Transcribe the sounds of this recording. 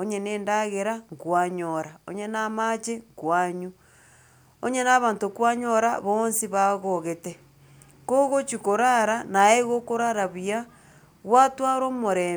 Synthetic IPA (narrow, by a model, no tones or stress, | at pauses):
oɲeneːndaɣeɾaŋkwaɲoɾao̰ɲenamat͡ʃeŋkwaɲu | o̰ɲenaβaːntokwaɲoɾa̰βoːnsiβaɣoɣete | koɣot͡ʃikoɾaɾanaeɣokoɾaɾaβia | ɣwatwaɾomoɾe